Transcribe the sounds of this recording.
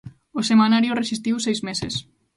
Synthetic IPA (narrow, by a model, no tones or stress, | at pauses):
osemanaɾjoresist̪iwsɛjzmeses